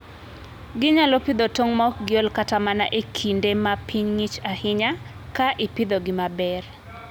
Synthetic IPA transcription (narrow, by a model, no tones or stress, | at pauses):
ɡɪɲalɔpid̪otoŋmɔkɡɪɔlkatamana̰ʔekʰindemapʰiɲŋit͡ʃahɪɲa | kaʔɪpid̪oɡɪmabɛr